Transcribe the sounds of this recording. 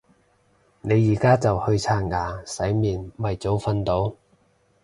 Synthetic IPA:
ne˨˧jːiː˨˩kaː˥t͡sɐ˨whɵ˧ɥt͡sʰaː˧˥nŋaː˨˥sɐ˨˥jmiː˨˩nmɐ˨jt͡so˨˥wfɐ˧nt̪o˨˥w

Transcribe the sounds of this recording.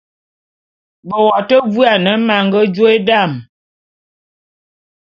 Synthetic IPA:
bə˨wɔ˨tə˦vu˦a˨nə˨˦ma˨ŋɡə˦d͡ʒo˦e˦da˦˨m

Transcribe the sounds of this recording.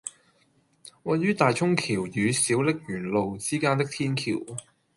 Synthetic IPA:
wɐ˨˩jyː˥t̪aː˨jt͡ʃʰʊ˥ŋkʰiː˨˩wjyː˨˧siː˨˥wlɪ˥k̚jyː˨˩nlo˨wt͡siː˥kaː˥nt̪ɪ˥k̚t̪ʰiː˥nkʰḭ˨˩w

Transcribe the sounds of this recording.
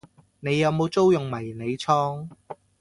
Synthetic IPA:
ne˨˧jːɐ˨˧wmo˨˧wt͡so˥wjʊ˨ŋmɐ˨˩jne˨˧jt͡sʰɔː˥ŋ

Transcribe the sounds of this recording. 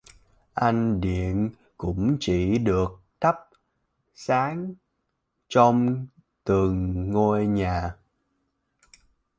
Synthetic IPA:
ʔa˧jŋ̟ɗḭ˧˨ən | kʊ̰˧˥ŋ͡mt͡ɕi˧˩ɗɨ˨˩ək̚t̪ʰa˦˥p̚ | saː˨˦ŋ | t͡ɕɔ˧wŋ͡m | t̪ɨ˨˩ŋːo˧jɲaː˨˩

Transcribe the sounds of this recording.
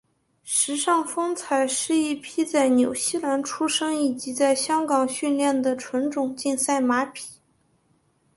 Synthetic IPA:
ʂɻ̩˧˥ʂɑ˥˩ŋfɤ˥ŋt͡sʰa˨˩ɪʂɻ̩˥˧i˥˩pʰi˥t͡sa˥˩ɪnjo˨˩ʊɕi˥˩la˧˥nʈ͡ʂʰu˥ʂɤ˥ŋi˨˩t͡ɕi˧˥t͡sa˥˩ɪɕjɑ˥ŋkɑ˨˩ŋɕy˥˧nljɛ˥˩nd̪ə˩ʈ͡ʂʰwə˧˥nʈ͡ʂʊ˨˩ŋt͡ɕi˥˧nsa˥˩ɪma˧˥pʰi̥˨˩˦

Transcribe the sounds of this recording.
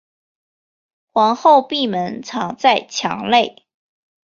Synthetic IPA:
xwɑ˧˥ŋxo˥˧ʊpi˥˩mə˧˦˥nt͡sʰɑ˧˥ŋt͡sa˥˩ɪt͡ɕʰjɑ̰˧˥ŋle˥˨˩ɪ

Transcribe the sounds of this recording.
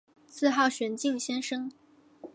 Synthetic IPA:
sʰɹ̩˥˧xɑ˥˩ʊɕɥɛ˧˥nt͡ɕi˥˧ŋɕjɛ˥nʂɤ˥ŋ

